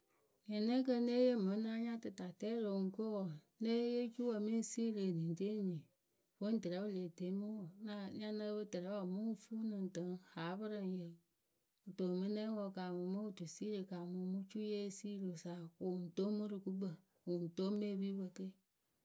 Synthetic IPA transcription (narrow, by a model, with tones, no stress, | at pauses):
jɛ˨ne˦k̬ə˦ne˦je˦mɨ˨˦na˦ɲa˦tɨ˨ta˨tɛ˦ɾo˨ŋ̩˦ko˦wo˨ne˦je˦t͡ʃu˦wo˨mi˦n˦si˦ɾe˨ni˨n˨te˦ɲĩ˨ | fo˦n̩˦tə˨ɾɛ˨˦bɨ˦˨le˨te˨˦mɨ˦wo˨na˦˨ɲa˦nə˦bə˦tə˨ɾɛ˦wɔ˨mu˦fu˦nɨ˨n˨tə˨˦ŋha˨˦βɨ˦ɾɨ˨n˨jə˨ | ɨ˨to˨mɨ˦ne˦wo˧ka˨mu˨mo˦˨tu˨si˦ɾe˨ka˨mu˨mu˦t͡ʃu˦je˦si˦ɾo˨sa˨ku˨n̩˨to˦mɨ˦ɾɨ˨ku˦ɡ͡bə˦˨ | u˨n̩˨to˦me˦˨bi˦bə˨ke˦